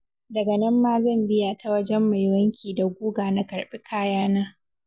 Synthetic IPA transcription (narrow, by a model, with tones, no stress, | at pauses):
dɐ˨ɡɐ˨nɐ˦mːaː˦zɐ˦˨mbɪ˦ja˨ta˨wɐ˦d͡ʒɛ˦mːa˨jwɐ˦ŋkʲʰiː˨da˨ɡʷuː˦ɡaː˨na˨kɐ˨ɽɓɪ˦kʰaː˦jaː˦naː˦